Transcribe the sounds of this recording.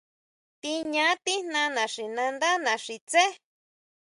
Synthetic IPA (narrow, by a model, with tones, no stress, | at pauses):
t̪i˧ɲã˨˦t̪i˦n̥nã˧nã˨ʂi˨nã˧nd̪a˦nã˨ʂi˨t͡se˦